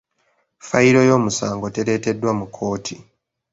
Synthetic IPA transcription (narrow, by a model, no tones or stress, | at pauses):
faiɾo̞jo̞ːmusaːŋɡote̞ɾe̞ːte̞dːwamukʰːo̞ːtʰi